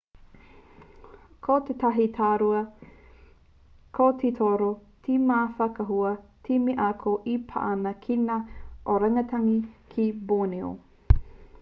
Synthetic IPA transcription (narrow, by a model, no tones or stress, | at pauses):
kʰotet̪ɐɦitʰaːɾuɐ | kʰot̪ʰitʰoɾo | tʰimaːfɐkɐɦuɐtʰimiʔakʰoʔipʰa̰ʔɐnɐkʰinaʔoɾɐŋɐt̪ʰɐŋikʰiboːneo̰